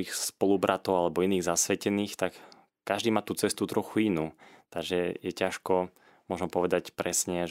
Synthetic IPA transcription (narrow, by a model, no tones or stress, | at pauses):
ixspɔlubɾʔat̪ɔʊalɛbɔiniːɣzasʋɛcɛniːxt̪akː | aʒd̪iːmaːt̪uːt͡sɛst̪ut̪ɾɔxuinuːt̪aɡʒɛjɛcaʃkɔ | mɔʒnɔpɔʋɛd̪acpɾɛsɲɛ